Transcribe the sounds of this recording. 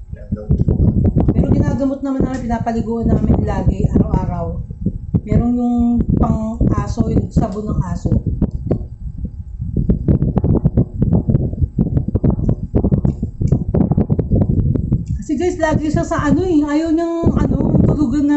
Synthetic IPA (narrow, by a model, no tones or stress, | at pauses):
pɛːɾo̞ɡɪnaːɡɐmot̪̚nɐmanːɐmɐnpɪnaːpɐlɪɡuːʔɐnaɐmɪ̰nlaːɡɪʔaːɾɐwʔaːɾɐwmɛːɾonjʊŋpɐŋkaːsojʊnsɐbonɐŋkaːso | kɐsɪɡajslaːɡɪʃasɐʔɐno̞ɛɐjowɲɐŋʔɐnoŋt̪ʊlʊɡɐnɐ